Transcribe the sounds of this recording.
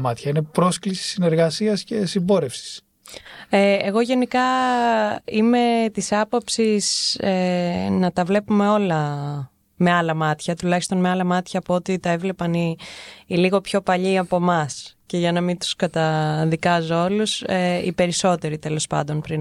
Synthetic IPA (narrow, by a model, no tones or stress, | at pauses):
mɐt̪çɐinepɾo̞sklisi̥sine̞ɾɣɐsiɐsce̞simbo̞ɾefsi̥s | eeɣo̞ʝe̞nikɐ | ime̞t̪isɐpo̞psisenɐt̪ɐvle̞pume̞o̞lɐ | me̞ɐlɐmɐt̪çɐt̪ulɐçist̪o̞nme̞ɐlɐmɐt̪çɐːpoo̞t̪it̪ɐe̞vle̞pɐniː | liɣo̞pço̞pɐʎiɐpo̞mɐsce̞ʝɐnɐmint̪u̥skɐt̪ɐðikɐzoo̞luseḭpe̞ɾiso̞t̪e̞ɾit̪e̞lo̞spɐ̰nd̪o̞npɾin